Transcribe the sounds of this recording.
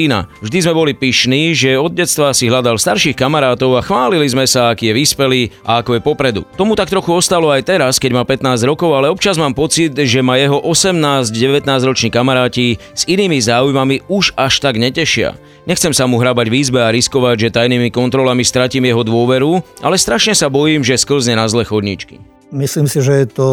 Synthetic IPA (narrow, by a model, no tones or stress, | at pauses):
ina̰vʒd̪izmɛbɔlipiʃniːʒɛɔd̪̚ɟɛt̪st̪ʋaːsiɦlad̪alst̪aɾʃiːxkamaɾaːt̪ɔʊaxʋaːlilizmɛsaakiːjɛʋiːspɛliːʔaakɔjɛpɔpɾɛd̪ṵt̪ɔmut̪ak̚t̪ɾɔxuɔst̪alɔajt̪ɛɾaskɛɟmapɛt̪naːzɟɾɔkɔʊalɛɔp̚t͡ʃazmaːmpɔt͡sid̪ʒɛmajɛɦɔʔɔsɛmnaːzɟɟɛʋɛt̪naːzɾɔt͡ʃniːkamaɾaːci | z̥iniːmizaːujmamiuʒaʃt̪aɡɲɛcɛʃɪa̰ | ɲɛxt͡sɛmsamuɦɾabaɟʋiːzbɛaɾiskɔʋaɟʒɛt̪ajniːmikɔnt̪ɾɔlamist̪ɾaciːmjɛɦɔd̪ʊɔʋɛɾua̰lɛst̪ɾaʃɲɛsabɔjiːmʒɛskl̩zɲɛnazlɛxɔd̪ɲḭt͡ʃkḭ | misliːmsiʒɛjɛt̪ɔ